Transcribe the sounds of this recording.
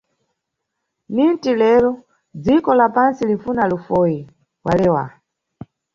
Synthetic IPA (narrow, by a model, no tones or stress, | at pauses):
nintilɛɾɔ | d͡zikɔlapansiliɱfunalufɔji | walɛwa̰